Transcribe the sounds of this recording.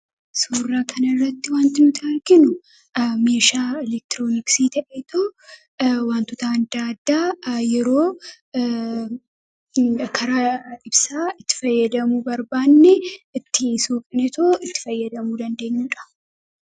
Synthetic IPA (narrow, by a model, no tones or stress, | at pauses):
suːrːaːkʰɐnɐɪrːɐt̪ːɪwaːnt̪ɪnʊt̪ʰɐɐɾɡɪnʊ | me̞ːʃaːɪlɛk̚t̪ɾoːnɪksiːt̪ɐʔet̪ʰoː | waːnt̪ʊt̪aɐnd̪aːd̪ːaːjɛɾo̞ː | kʰɐɾɐɪbsaːɪt̪ːɪ̥fɐjːɐd̪ɐmuːbɐɾbaːnːɛɪt̪ːɪsuːkʼɪnɛt̪oːɪt̪ːɪ̥fɐjːɐd̪ɐmuːd̪ɐnd̪e̞ːɲːuːᶑɐ̥